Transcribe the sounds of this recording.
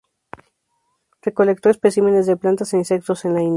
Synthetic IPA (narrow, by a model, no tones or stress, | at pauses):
reko̞le̞k̚t̪o̞e̞spesime̞ne̞zðeplant̪aseinse̞k̚t̪o̞se̞nlain